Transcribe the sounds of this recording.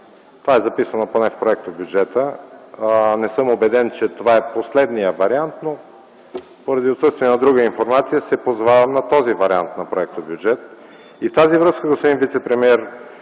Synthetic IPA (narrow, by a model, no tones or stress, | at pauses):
t̪ovaɛzɐpisənoponɛfpɾoɛk̚t̪objud͡ʒɛt̪ə | nɛsɤmobɛd̪ɛnt͡ʃɛt̪ovaɛposlɛd̪nijəvɐɾiant̪no | poɾɐd̪iot̪sɤst̪viɛnɐd̪ɾuɡəinfoɾmat̪sijəsɛpozvavɐmnɐt̪ɔzivɐɾia̰nt̪nɐpɾoɛk̚t̪objud͡ʒɛt̪ | ift̪azivɾɤskəɡospod̪invit̪sɛpɾɛmiɛɾ